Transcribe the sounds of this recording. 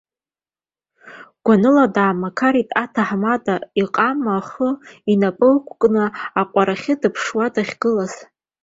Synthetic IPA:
ɡ̥ʷanɨladaːmakʰaɾitʼatʰaħmadʼaiqʼamaχəinapʼɨlkʷʼkʼnɨaqʷʼaɾaχʲɪdɨpʰʂwadaχʲɡ̥ɨlaz̥

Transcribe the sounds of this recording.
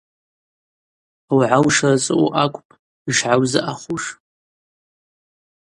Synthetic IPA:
awʕawʂarat͡sʼɨuʔakʷʼpʼ | iʂʕawzaʔaχuʂ

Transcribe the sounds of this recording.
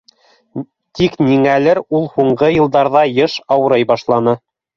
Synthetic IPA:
t̪ikniŋælɘɾulˠhuɴɢɤjɤ̆lˠd̪ɑɾðɑjɤʃɑwɤ̆ɾɤjbɑʃlˠɑnɤ

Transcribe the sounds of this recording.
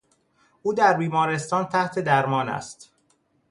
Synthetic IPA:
ʔuːd̪æɾbiːmɒːɾe̞st̪ɒːnt̪ʰæht̪ʰe̞d̪æɾmɒːnæ̰st̪

